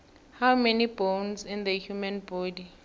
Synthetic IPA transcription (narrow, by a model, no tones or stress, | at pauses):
hawmɛnibõnzĩnd̪əhjumãnbɔdi